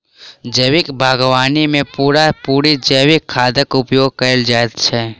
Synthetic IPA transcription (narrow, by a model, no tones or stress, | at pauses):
d͡ʒəːʋɪkbʱaːɡʋaːnimẽpuːɾapuːɾid͡ʒəʋɪkʰːaːd̪əkʊpjoːɡ̚kəld͡ʒaːt̪t͡ʃʰɛ